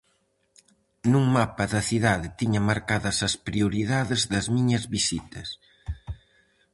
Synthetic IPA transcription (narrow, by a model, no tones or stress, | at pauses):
nuŋmapɐðɐθiðaðɪt̪iɲɐmaɾkaðɐsɐspɾiuɾiðaðɪzðɐzmiɲɐzβisit̪ɐs